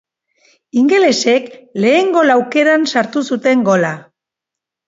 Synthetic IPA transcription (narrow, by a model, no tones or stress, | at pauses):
iŋɡe̞le̞se̞kle̞ːŋɡo̞lawke̞ɾansaɾt̪usut̪e̞ŋɡo̞la